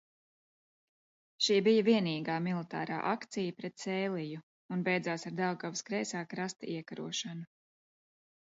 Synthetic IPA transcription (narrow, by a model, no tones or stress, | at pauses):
ʃiːbijɐviɛniːɡaːmilˠit̪a̰ːɾa̰ːʔakt̪sijɐpɾɛt̪sɛːlˠiju | unbɛjd̪zaːsaɾd̪awɡavskɾɛjsaːkɾast̪iɛkaɾṵɔʃanu